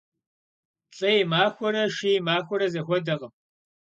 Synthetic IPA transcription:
ɬʼɐjɪmaːxʷɔɾɐʂijmaːxʷɔɾɐzɐxʷɔdɐʁəm

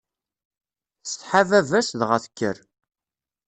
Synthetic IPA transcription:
θsθħavævæsðʁəθə̥kːə̰ɾ

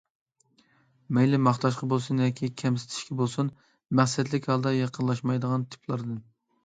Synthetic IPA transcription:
mejlɪmɑχt̪ɑʃqɑbolˠsunjɑkʲʰikʲʰɛmsɪ̥t̪ʰɪ̥ʃkʲʰɛbolˠsun | mæχsɛt̪lɪkʲhɑlˠd̪ɑjɑqʰənlˠɑʃmɑjd̪əʁɑnt̪ʰɪ̥pʰlˠɑɾd̪ɨn

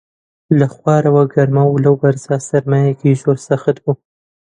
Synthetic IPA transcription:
laxwɑɾawaɡaɾmawlawbaɾzɑsaɾmajakiʒoɾsaxat̪bu

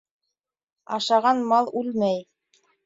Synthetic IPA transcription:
ɑʃɑʁɑnmɑlˠʉlmæj

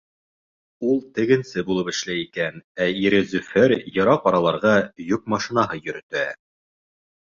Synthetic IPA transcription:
ulˠt̪ɘ̆ɡɘ̆nsɘbulˠɤpɘ̆ʃlæjikænæiɾezʉfeɾjɤ̆ɾɑqɒɾɑlˠɑɾʁɑjuk̚mɑʃinɑɦɤjɵ̆ɾɵ̆t̪æ

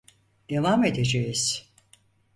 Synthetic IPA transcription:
d̪̥evaːmed̪ed͡ʒejiz̥

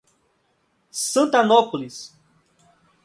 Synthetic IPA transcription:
sɐ̃nt̪ɐnɔpulis

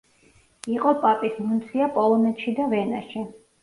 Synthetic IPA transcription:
iqʼɔpʼapʼismunt̪sʰiapʼɔlˠɔnɛt̪ʃid̪avɛna̰ʃi

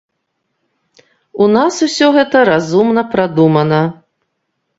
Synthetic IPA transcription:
unasusʲɔɣɛt̪ɐɾazumnɐpɾad̪umɐnɐ

